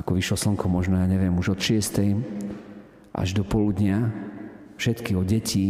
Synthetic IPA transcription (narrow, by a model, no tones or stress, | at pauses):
akɔʋiʃlɔsl̩ŋkʰɔmɔʒnɔjaːɲɛʋɪɛmuʒɔt̪ʃɪɛst̪ɛj | ʔa̰ʒd̪ɔpɔlud̪ɲɪa | fʃɛt̪kiɔɟɛciː